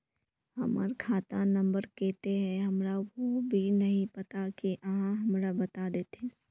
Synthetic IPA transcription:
ɦə̰mə̰ɾkʰaːt̪anə̃mbəɾkɛːt̪eɦɛ̃ɦɐmɾaobʱinɐɦĩpɐt̪akiʔəɦãɦəmɾabət̪ad̪eːt̪e

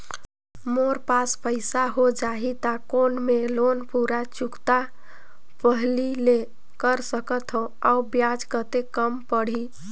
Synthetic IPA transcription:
moɾpaspəɪsaɦod͡ʒaɦit̪akonmelonpuɾat͡ʃukt̪a | pəɦlile | kəɾsəkət̪ʰɦõ | aubjad͡ʒkət̪ekəmpəɽ̤i

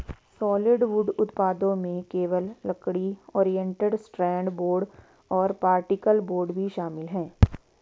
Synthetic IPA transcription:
sɔːlɪɖʋʊɖʊt̪paːd̪õmẽkeːʋəlːɐkɽiɔːɾijɛ̃ɳʈəɖsʈɾɛ̃ːɳɖboːɾɖ | ɔːɾpaːɾʈɪkəlboːɾɖbʱiʃaːmɪlɦɛ̃ː

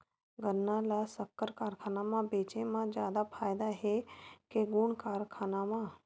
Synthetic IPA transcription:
ɡənːalasəkːəɾkaːɾkʰaːnamãbeːt͡ʃemãd͡ʒjaːd̪apʰaːjd̪aɦekeɡuɳkaːɾkʰaːnamã

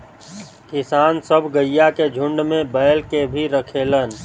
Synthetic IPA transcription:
kɪsaːnsəbʱɡəjjaked͡ʒʱʊ̃ɳɖmẽbəjlkebʱiɾəkʰeːlən

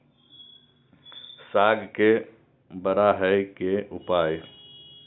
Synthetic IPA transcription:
saːɡke | bəɾaɦəjkeʔʊpaːj

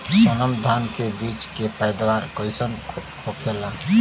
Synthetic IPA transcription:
sənəmd̪ʱankebit͡ʃkepajd̪waɾkəjsənkʰokʰela

